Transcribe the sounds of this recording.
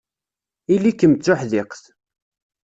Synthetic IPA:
ilːikːəmət͡sːʊħðɪqθ

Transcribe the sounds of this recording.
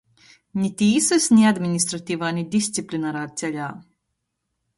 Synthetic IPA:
nʲit̪ʲiːsɛsnʲiad̪mʲinʲist̪ɾɐt̪ʲivanʲid̪isʲt̪siplʲinaɾat͡s̪ʲɛlʲa

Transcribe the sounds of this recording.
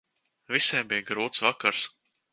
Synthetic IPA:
visʲɛːmbijɡɾuːt̪svakaɾs

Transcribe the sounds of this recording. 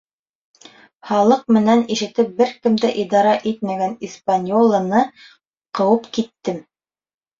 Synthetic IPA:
χɑlˠɤq̚mɘ̆næniʃɘ̆t̪ɘp̚bɘɾkɘ̆md̪æʔid̪ɑɾɑʔit̪̚mæɡænispanʲjolˠɑnɤ | qɤ̆wɤpkit̪ːɘm

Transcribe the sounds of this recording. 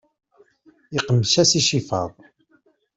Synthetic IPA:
iqəmsæsiʃifɑ̰ðˤ

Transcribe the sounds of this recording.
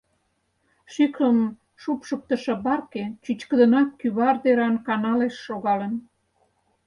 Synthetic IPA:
ʃykəm | ʃupʃək̚t̪əʃɤ̆bɑrket͡ɕyt͡ɕkəd̪ənɑkːyβɑrd̪eɾɑnkɑnɑleʃːoɣɑlən

